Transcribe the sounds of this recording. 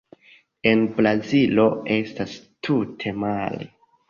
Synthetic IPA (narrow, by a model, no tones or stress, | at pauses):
e̞nbɾazilo̞e̞stastʰutʰe̞malḛ